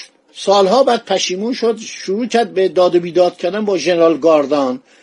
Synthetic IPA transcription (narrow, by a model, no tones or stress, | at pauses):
sɒːlɦɒːbæɾd̪̥̚pʰæʃiːmuːnʃod̪ʃuɾuːcʰæɾd̪̚bed̪ɒːd̪obiːd̪ɒːd̪̥cʰæɾd̪ænbɒːʒeneɾɒːlɡɒːɾd̪ɑːn